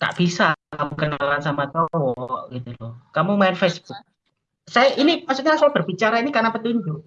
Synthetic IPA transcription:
t̪a̰ʔb̥isakamukənalansamat̪ɔwɔʔɡ̥it̪ulɔkamumaɪnfesb̥uk̚ | sajaʔinipasuk̚ɲasɔb̥ə̤rb̥i̤t͡ʃaɾainikarnapət̪uɲd͡ʒuʔ

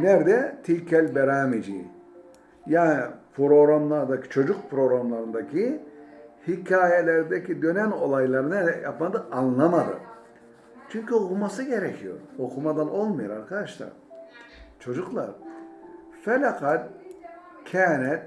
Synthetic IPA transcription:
næɾd̪ɛt̪ʰilʲcʰɛlʲbɛɾaːmid͡ʒḭ | jaːnipɾo̞ɡɾamlˠaɾd̪acʰi̥t͡ʃʰo̞d͡ʒuk̚pʰɾo̞ɡɾamlˠaɾɯnd̪acʰi | hicʰaːjelʲɛɾid̪ɛcʰid̪ø̞næno̞lˠajlˠaɾɯnaɛja̰pmad̪ɯanlˠamad̪ɯ̰ | t͡ʃʰyɲcyokʰumasɯɟe̞ɾɛcʰijo̞̰ɾo̞kʰumad̪anʔo̞lˠmajuɾaɾkʰad̪aʃlˠa̰ɾ | t͡ʃʰo̞d͡ʒuklˠa̰ɾ | fɛlʲaqʰat̪̚ | cʰɛnɛt̪

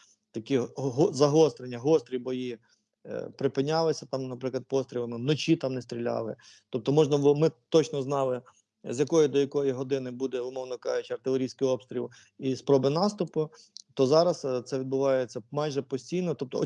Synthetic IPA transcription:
t̪ɐkʲiɦɔzɐɦɔst̪ɾenʲːɐɦɔst̪ɾʲibɔji | pɾɪpɪnʲːɑlˠɪsʲɐt̪ɑmnɐpɾɪklˠɐd̪pɔst̪ɾʲilˠɪmɪnɔt͡ʃit̪ɑmnɛst̪ɾʲilʲɑ̰lˠɪ̰ | t̪ɔp̚t̪ɔmɔʒnɐʋmɪt̪ɔt͡ʃnɔznɑlˠɪ | zʲjɐkɔjid̪ɔjɐkɔjiɦɔd̪ɪnɪbud̪ɛʊmɔwnɔkɑʒɪt͡ʃʲɐrt̪ɪlʲˠeɾʲijsʲkɪjɔpst̪ɾʲḭlˠ | ispɾɔbɪnɑst̪ʊpʊt̪ɔzɑɾɐst̪sɛʋʲid̪̚bʊʋɑjet͡sʲːɐmɑjʒɛpɔsʲtʲijnɔt̪ɔp̚t̪ɔ̰

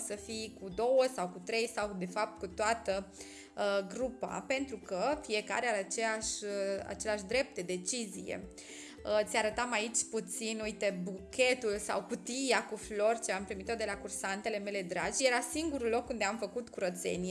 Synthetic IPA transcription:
səfijkud̪o̞wəsawkut̪ɾe̞jsawd̪e̞fap̚t̪̚kut̪oat̪ə | ɡɾupa̰pe̞nt̪ɾukəfije̞ka̰ɾealat͡ʃeaʃa̰t͡ʃe̞leaʃd̪ɾe̞p̚t̪̚d̪ed̪e̞t͡ʃizijḛ | ət̪sʲjaɾət̪amait͡ʃʲput̪sinuit̪ebukʲe̞t̪ulsa̰wkut̪ijakuflo̞rt͡ʃeampɾimit̪od̪e̞lakursant̪e̞le̞me̞le̞d̪ɾad͡ʒʲjeɾasiŋɡuɾulo̞kːund̪e̞amfəkut̪kuɾət̪se̞̰nie

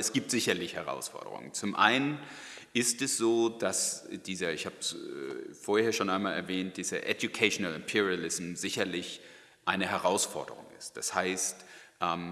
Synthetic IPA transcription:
ɛsɡ̥iːp̚tz̥ɪçɐlɪçhɛʁa̰ʊsfɔ̰ɐdə̰ʁʊ̰ŋə̰nt͡sʊmʔa̰ɪnən | ʔɪstɛsz̥oːd̥asd̥iːzɐɪçhaːbsfoːɐheːɐʃoːnʔaɪnmaːlɛɐvɛːnt̚d̥iːzɐ̰ʔɛdjukʰaɪʃonalɪmpʰɪʁialɪsm̩zɪçɐlɪç | ʔaɪnəɦɛʁaʊsfɔɐdə̰ʁ̞ʊ̰ŋɪst̚d̥ashaɪstʔɛːm

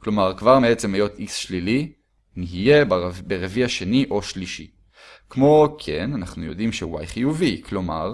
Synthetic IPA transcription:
klo̞maʁkvaʁmeet͡semhejo̞tisʃlili | niɦije̞bbeʁeviaʃeniʔo̞ʃliʃḭ | kmo̞kʰe̞nanaχnujo̞̰dimʃeuwa̰jχijuviklo̞ma̰ʁ

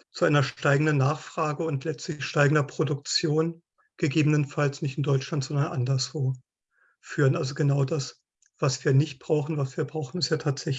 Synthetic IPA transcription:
t͡suʔaɪnɐʃtaɪɡŋ̩dənːaːχfʁ̥aːɡəʊntlɛt͡stlɪçʃtaɪɡŋ̩dɐpʁ̥odʊk̚t͡sjoːn | ɡ̥əɡeːbənənfalsnɪçtɪndɔʏt͡ʃlantz̥ɔndɐnʔandɐsv̥oː | fyːʁənʔalzoɡənaʊdas | v̥asv̥iːɐnɪçt̚b̥ʁaʊxn̩vasv̥iːɐbʁaʊxn̩ɪstjaːtʰaːtz̥ɛç

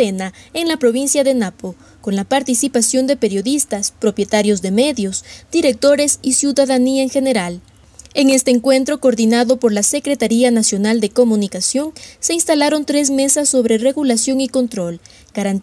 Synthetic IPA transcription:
enaeŋlapɾo̞βinsjaðe̞napo | ko̞nlapaɾt̪isipasjo̞nd̪e̞pe̞ɾjo̞ðist̪aspɾo̞pje̞t̪aɾjo̞zðe̞me̞ðjo̞sd̪̥iɾe̞k̚t̪o̞ɾe̞sisjuðaðaniaeŋxe̞ne̞ɾal | e̞ŋe̞st̪e̞ːŋkwe̞nt̪ɾo̞koɾðinaðo̞po̞ɾlase̞kɾe̞t̪aɾianasjo̞nald̪e̞ko̞munikasjo̞ŋse̞inst̪alaɾo̞nt̪ɾe̞z̬me̞sasːo̞βɾe̞re̞ɣulasjo̞ŋiko̞nt̪ɾo̞l | ɡ̥aɾan

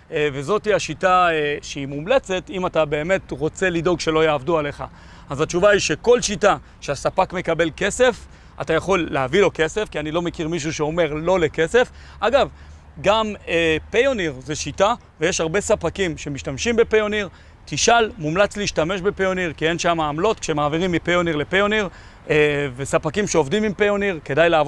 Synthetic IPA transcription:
ve̞zo̞tiaʃitaeʃeimumle̞t͡se̞timatabe̞ːme̞tʁo̞t͡se̞lido̞ɡʃe̞lo̞jaːvduale̞χa̰ | azat͡ʃuvaiʃe̞ko̞lʃita | ʃeasapakme̞kabe̞lke̞se̞f | a̰tajaχo̞lːeavilo̞ke̞se̞fkianilo̞me̞kiʁmiʃ̬uʃeo̞me̞ʁlo̞le̞ke̞se̞fʔaɡav | ɡamepejoniʁzeʃita | veje̞ʃhaʁbe̞sapakimʃe̞miʃtamʃimbe̞pejoniʁ | t̪iʃalmumlat͡sliːʃtame̞ʃbe̞pejoniʁkie̞nʃamaːmlo̞t̪kʃeemaːviʁimːipejo̞niʁle̞pejo̞niʁ | vesapakimʃeo̞vdimimpejo̞niʁke̞dajlaav

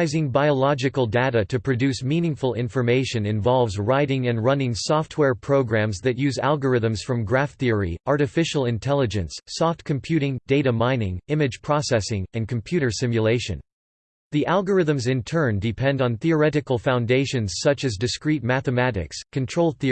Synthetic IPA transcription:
ɪzɪ̃ŋbaɪəlɑd͡ʒɨkəl̩ˠdeɾɨɾɨpʰɹ̥ɨdʉsmĩnɪ̃ŋfəl̩ˠɪ̃ɱfə˞meɪʃɨ̃nɨ̃ɱvɑlˠvzɹaɪɾɪ̃ŋɨ̃nɹʌ̃nɪ̃ŋsɔft̚wɛɹpʰɹ̥oʊɡɹæ̃mzðɨt̚jʉzæ̰lˠɡə˞ɪðɨ̃mz̥fɹʌ̃mɡɹæfθiə˞ḭɑɹɾɨfɪʃl̩ˠɨ̃ntʰɛlˠɨd͡ʒɨ̃nsːɔft̚kʰɨ̃mpʰj̥ʉɾɪ̃ŋdeɪɾɨmãɪ̃nɪ̃ŋɪ̃mɨd̥ʒ̥pʰɹ̥ɑsɛsɪ̃ŋɨ̃nkʰm̩pʰj̥ʉɾə˞sɪ̃mjɨleɪʃɨ̰̃n | ðiʔælˠɡə˞ɪðə̃mzɨ̃ntʰɜ̃˞ndɨpʰɛ̃ndn̩θiə˞ɛɾɨkəl̩ˠfãʊ̃ndeɪʃɨ̃nz̥sʌt͡ʃɨzdɨskɹit̚mæθɨmæɾɨ̰kskʰɨ̃ntʰɹ̥oʊlˠθi

